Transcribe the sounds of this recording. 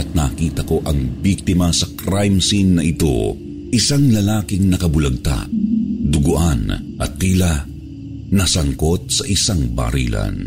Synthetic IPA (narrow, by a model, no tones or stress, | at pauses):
ɐt̪̚nakiːt̪ɐko̞ʔɐŋbiɡ̚t̪ɪmɐsɐkɾajmsinːɐʔɪt̪o̞̰ | ʔɪsaŋlɐlaːkɪŋnɐkɐbʊlɐɡ̚t̪a̰ʔd̪ʊɡʊʔan | ʔɐt̪̚ːiːlɐ | nɐsɐŋko̞t̪̚sɐʔɪsaŋba̰ːɾḭːlɐ̰n